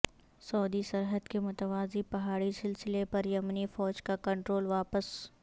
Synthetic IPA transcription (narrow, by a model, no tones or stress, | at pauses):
sɔːd̪isɐɾɦəd̪kemʊt̪əʋaːzipɐɦaːɽisɪlsɪlepɐɾjɐmnifɔːd͡ʒkakɐ̃ɳʈɾoːlʋaːpəs